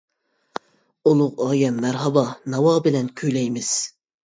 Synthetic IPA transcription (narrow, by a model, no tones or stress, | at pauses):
ulˠʊqɑːjɛmːæɾɦɑbɑnɑwɑːbɪlɛnkʲʰyjlɛjmɪz̥